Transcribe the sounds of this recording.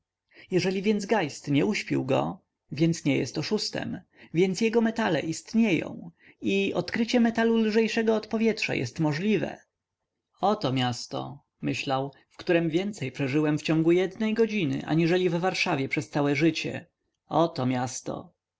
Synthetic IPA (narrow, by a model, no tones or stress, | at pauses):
jɛʐɛlʲivʲjɛnzɡajst̪ɲɛuɕpʲḭwɡɔ̰ | vʲjɛnt̪sɲɛjɛ̰st̪ɔʂust̪ɛ̰m | vʲjɛnt̪sjɛɡɔmɛt̪alɛ̰ʔist̪ɲejɔ̰̃w̃ | iɔt̪kɾɘt͡ɕɛmɛt̪alulʐɛjʂɛɡɔːt̪pɔvʲjɛtʂa̰jɛ̰st̪mɔʐlʲivɛ̰ | ɔt̪ɔmʲjast̪ɔ̰ | mɘɕlaw | fkt̪uɾɛmvʲjɛnt̪sɛjpʂɛʐɘwɛmft͡ɕɔ̃ŋɡujɛd̪nɛjɡɔd͡ʑinɘ̰ʔa̰ɲiʐɛlʲivːaɾʂavʲjɛpʂɛst̪sawɛʐɘt͡ɕɛ̰ | ɔt̪ɔmʲjast̪ɔ̰